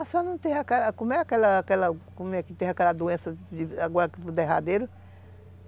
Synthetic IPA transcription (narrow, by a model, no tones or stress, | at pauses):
asanɐ̃w̃t̪ẽjakɛlɐkõmɛakɛlɐakɛlɐkõmɛkɪt̪ẽj̃akɛlɐd̪oẽsɐd͡ʒɪaɡɔɾɐkɪpd̪eɦa̰d̪eɾʊ